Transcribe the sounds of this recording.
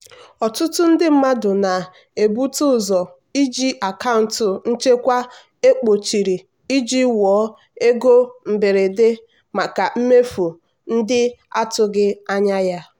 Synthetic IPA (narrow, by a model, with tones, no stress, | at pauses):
ɔ˨tʊ˦tʊ˦n̩˦dɪ˦m̩˦ma˦dʊ˨na˨ | e˨bu˦tʊ˦˨zɔ˨ | i˦d͡ʒi˦ʔa˨ka˦ʊ˨n̩˨tʊ˨n̩˦t͡ʃe˦kʷa˦ | e˦k͡po˨t͡ʃi˨ɾi˨ | i˦d͡ʒi˦wɔː˨˦ | e˦ɡo˦m̩˨be˨ɾe˨de˦ | ma˨ka˨m̩˦me˦fu˨ | n̩˦dɪ˦a˦tʊ˦ɡɪ˦a˦ɲa˦ja˦